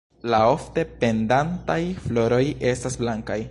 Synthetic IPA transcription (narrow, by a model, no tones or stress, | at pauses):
lao̞fte̞pe̞ndantajflo̞ɾo̞je̞stasblaŋkaj